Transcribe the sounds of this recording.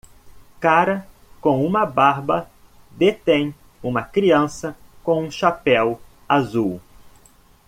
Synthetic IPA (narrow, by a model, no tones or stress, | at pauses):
kaɾɐ | kõw̃ũmɐbaɾbɐ | d̪et̪ẽj̃ | ũmɐkɾiɐ̃sɐkõũʃapɛw | azuw